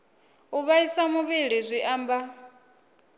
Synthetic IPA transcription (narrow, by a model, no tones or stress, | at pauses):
uβaisamuβiɺizʷiʔaːmba